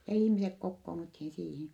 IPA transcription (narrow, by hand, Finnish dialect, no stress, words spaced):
jɑ ihmisek kokːoːnuthin siːhin̞